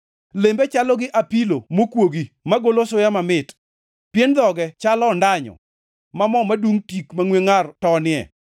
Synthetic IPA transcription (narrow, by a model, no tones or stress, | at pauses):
lembɛt͡ʃalɔɡɪʔapilomokwoɡimaɡolosʊjamamɪt | pjend̪ɔɡɛt͡ʃalɔndaɲɔ̰ | mamɔmaduŋtikmaŋweŋartɔnɪɛ̰